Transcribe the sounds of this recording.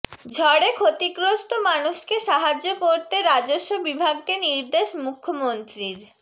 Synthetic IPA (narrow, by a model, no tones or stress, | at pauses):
d͡ʑʱɔɽekʰot̪ikɾosʈ̪omanuʃkeʃaɦad͡ʑokoɾt̪eɾad͡ʑoʃːobibʱaɡt̪eniɾd̪eʃmukʰːomont̪ɾiɾ